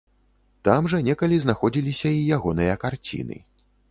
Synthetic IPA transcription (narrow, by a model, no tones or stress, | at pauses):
t̪amʐɐnʲɛkɐlʲiznaxɔd͡zʲilʲisʲɐijaɣɔnɨjɐkart͡sʲḭn̪ɨ̰